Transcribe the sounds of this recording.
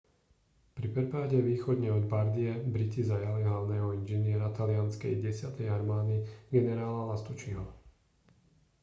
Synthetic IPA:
pɾipɛpaːɟɛʋiːxɔd̪ɲɛɔd̪baɾd̪iɛbɾicizajaliɦlaʊnɛːɦɔinʒɛnɪɛɾat̪alɪanskɛ̰jɟɛsɪat̪ɛjaɾmaːd̪iɡɛnɛɾaːlalast̪ut͡ʃiɦɔ

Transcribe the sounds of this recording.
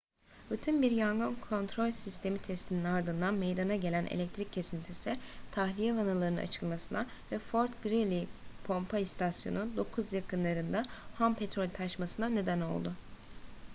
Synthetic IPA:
byt̪ʰynbiɾjaŋɡɯnkʰo̞nt̪ʰɾo̞lʲsist̪ʰe̞mit̪ʰɛst̪ʰininaɾd̪ɯnd̪anme̞jd̪anaɟe̞lʲænʔḛlʲɛc̚t̪ʰɾiccʰːe̞sint̪ʰisiɪt̪ʰahlʲijɛvanalˠaɾɯnɯna̰t͡ʃʰɯlˠmasɯna | vɛfo̞ɾt̪ɡɾilʲipʰo̞mpʰaist̪ʰasjo̞̰nud̪o̞kʰuzjakʰɯnlˠaɾɯnd̪ahampʰet̪ɾo̞lʲt̪ʰaʃmasɯnane̞d̪æno̞̰lˠd̪ʊ

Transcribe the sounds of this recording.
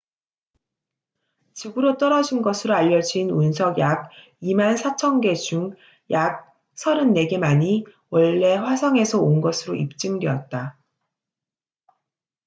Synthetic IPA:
t͡ɕiɡɯɾot͈ʌɾʌd͡ʑinɡʌsʰɯɾoaʎːʌd͡ʑiːnunsʰʌɡjaɡ̚ | imansʰat͡ɕʰʌnɡe̞d͡ʑuŋ | jak̚ | sʰʌɾɯnːe̞ɡe̞maɲiwʌɭːe̞ɸwasʰʌŋe̞sʰʌonɡʌsʰɯɾoʔip̚t͡ɕ͈ɯŋde̞ʌt̚t͈a

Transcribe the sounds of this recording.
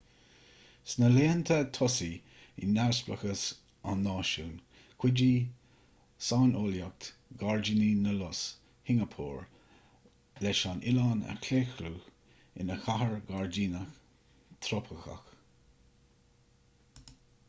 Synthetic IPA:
snəleːnt̪ʰət̪ʰɔsi | ɪ̰nːaɹsplə̰xəs | anːɑːʃuːn | kʰw̥ɪd͡ʒiː | saːnʔoːljak̚t̪ɡaɹd͡ʒininəlɔs | hɪŋəpʰuːɹ | lɛʃanʔɪlɑːnɛ̰kʰleːxɾuː | ɪ̰nəxaɦəɹɡaɹd͡ʒiːnəx | t̪ʰɾopʰəxa̰x

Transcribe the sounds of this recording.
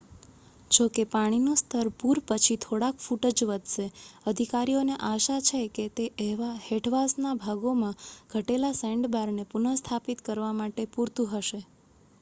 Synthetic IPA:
d͡ʒokepaɽ̃inũst̪ʰəɾpuɾpət͡ʃʰit̪ʰoɽakfuʈəd͡ʒʋəd̪ʱʃeəd̪ʱikaɾioneʔaʃat͡ʃʰeket̪eʔeʋaheʈʰʋasnabʱaɡomãɡ̥ʱəʈelasɛ̃ɳɖbaɾnepunəst̪ʰapit̪kəɾʋamaʈepuɾt̪ũɦəʃe

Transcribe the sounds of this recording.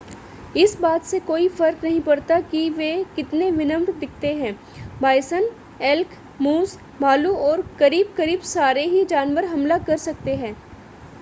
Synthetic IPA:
ɪsbaːt̪sekoːifɐɾknɐɦĩpɐɾt̪akiʋekɪt̪neʋɪnə̃mʈd̪ɪkʰt̪eɦɛ̃ː | baːɪsən | ɪlk | muːz | baːluɔːɾkɐɾiːb̚kɐɾiːbsaːɾeɦid͡ʒaːnʋəɾɦɐmlakɐɾsɐk̚t̪eɦɛ̃ː

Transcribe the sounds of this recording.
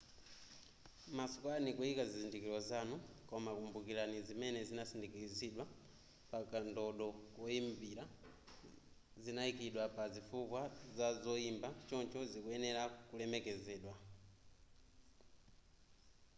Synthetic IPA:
masu̥kwanikuikazizindikiɾɔzanukɔmakumbukiɾanizimɛnɛzinasindikiziɗwa | pakandɔɗɔkɔimbiɾa | zinaikiɗwapazifukwazazɔimbat͡ʃɔnt͡ʃɔzikuɛnɛɾakulɛmɛkɛzɛːɗwa

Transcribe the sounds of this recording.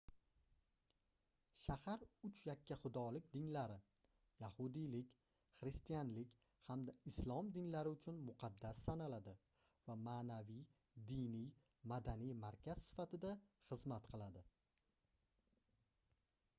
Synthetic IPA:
ʃahaɾʊt͡ʃjakʲʰːaχʊd̪ɒlɪk̚ʲd̪ɪnlaɾɪ | jahʊd̪ijlɪkʲ | χɾɪst̪ijanlɪkʲ | hamd̪aɪslˠɒmd̪ɪnlaɾɪʊt͡ʃʰʊnmʊqʰɑd̪ːasːanalad̪ɪ | vamaːnavij | d̪ɪnij | mad̪anijmaɾkʲʰaz̥sɪ̥fat̪ʰɪd̪aχɨzmat̪qʰɨlˠad̪ɪ

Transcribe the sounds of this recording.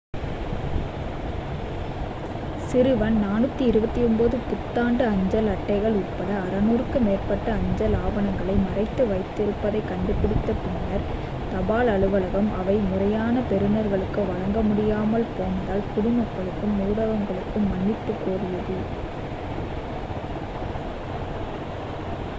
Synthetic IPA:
sɪɾɯʋɐnnaːnɯt̪ːiɪɾɯbɐt̪ːijɔmboðɯpʊt̪ːaːɳɖɐɐɲd͡ʒɐlɐʈːɐɪɣɐɭʊʈ̚pɐɽɐːɾɐnuːrkːɯmeːrpɐʈːɐɐɲd͡ʒɐlaːʋɐnɐŋɡɐɭɐɪmɐrɐɪt̪ːɐʋɐɪt̪ːɪɾɯpːɐðɐɪkɐɳɖɯpːɪɽɪt̪ːɐpʊɳɪnɐɾ | t̪ɐbaːlɐɻɯʋɐlɐɣɐmʔɐʋɐɪmʊrɐjaːnɐpɛɾɯnɐɾɣɐɭɯkːɯʋɐɻɐŋɡɐmʊɽɪjaːmɐlpoːnd̪aːlkʊɽɪmɐkːɐɭɯkːɯmːuːɽɐʋɐŋɡɐɭɯkːɯmːɐnːɪt̪ːɯkːoːrɪjɐðɯ

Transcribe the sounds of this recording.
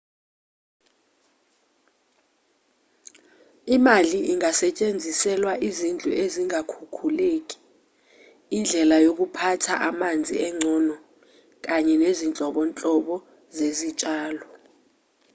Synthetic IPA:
imaliʔiŋasɛt͡ʃʼend͡zʱisɛlwaʔizind͡ɮʱṵʔeziŋakʰukʰulek̬ʼi̥ | nd͡ɮʱɛlajok̬upʰatʰa̰ʔamand͡zʱḭɛŋ͡ǀʱɔnɔ | k̬aɲɛnezint͡ɬʼɔɓɔnt͡ɬʼɔɓɔ | zezit͡ʃʼaːlɔ

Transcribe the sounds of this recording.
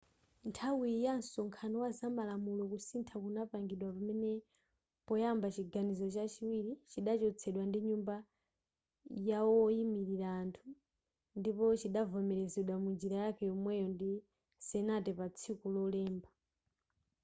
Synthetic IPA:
ntʰawijansɔŋkʰanɔwazamalamulɔkusintʰakunapaŋɡiɗwapamɛnɛ | pɔjambat͡ʃiɡanizɔt͡ʃat͡ʃiwiɾit͡ʃiɗat͡ʃɔt͡sʰɛɗwandiɲumba | jawɔimiɾiɾaːntʰu | ndipɔt͡ʃiɗavɔmɛɾɛzɛɗwamund͡ʒiɾajakʰɛjɔmwɛjɔndi | sɛnatɛpat͡sʰikulɔlɛːmba

